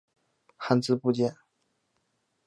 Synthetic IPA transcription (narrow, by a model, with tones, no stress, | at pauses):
xa˥nt͡sɹ̩˥˧pu˥˧t͡ɕjɛ˥˩n